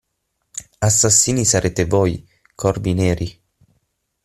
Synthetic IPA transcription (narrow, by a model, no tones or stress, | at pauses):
asːasːiːnisaɾʔeːt̪evɔj | kʰɔrbineːɾi